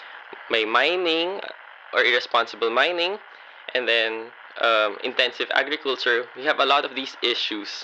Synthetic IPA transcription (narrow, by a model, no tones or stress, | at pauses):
meɪmãɪnɪ̃ŋ | ʔɔɹɪɹɛspɑ̃nsəbəlmãɪ̃nɪ̃ŋ | ʔɛ̃nd̪ɛ̃n | ʔʌmɪ̰̃nt̪ɛ̃nsɪvæ̰ɡɹɪkult͡ʃəɹwihævəlɔt̪ɔvd̪iːsɪʃus